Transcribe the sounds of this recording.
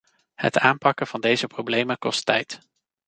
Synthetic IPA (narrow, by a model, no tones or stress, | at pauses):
hə̰taːmpɑkəv̥ɑndejzəprowblejməkɔstɛ̰jt